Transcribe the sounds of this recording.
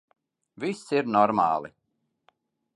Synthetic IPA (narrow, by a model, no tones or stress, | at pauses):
visiɾnɔɾma̰ːlˠḭ